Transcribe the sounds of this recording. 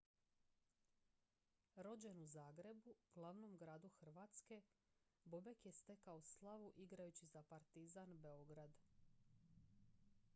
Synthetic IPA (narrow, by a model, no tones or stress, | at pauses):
ɾo̞d͡ʑenuzaːɡɾe̞buɡ̥lˠaʋnomɡɾaːd̪uxr̩ʋaːt̪ske̞bobekje̞st̪e̞kaoslˠaʋuʔiɡɾajut͡ɕizapaɾt̪izanbe̞o̞ɡɾad̪